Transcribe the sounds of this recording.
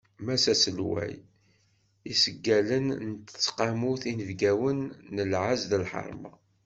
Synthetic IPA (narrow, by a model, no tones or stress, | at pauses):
mæsæsəlwæ̰j | isəɡːælənnt̪ə̥t͡sːqamuθinəvɡæwənːəlʕazðəlħə̰ɾˤmɑ̰